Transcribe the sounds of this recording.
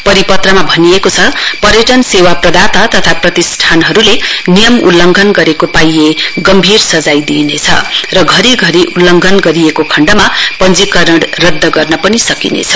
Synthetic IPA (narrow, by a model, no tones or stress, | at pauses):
pʌɾipʌt̪rʌmabʱʌniekot͡sʰʌpʌɾjeʈʌnsewaprʌd̪at̪at̪ʌt̪ʰaprʌt̪isʈʰanɦʌɾulenijʌmṵlːʌŋɡʱʌnɡʌɾekopajeɡʌmbʱirsʌd͡zajd̪inet͡sʰʌ̰rʌɡʱʌɾiɡʱʌɾiʔulːʌŋɡʱʌnɡʌɾiekokʰʌɳɖʌmapʌnd͡zikʌɾʌɽrʌd̪ːʌɡʌrnʌpʌnisʌkinḛt͡sʰʌ̥